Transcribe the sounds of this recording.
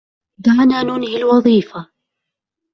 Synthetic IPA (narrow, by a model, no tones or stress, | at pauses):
d̪aʕnaːnuːnhɪlwɑðˤiːfa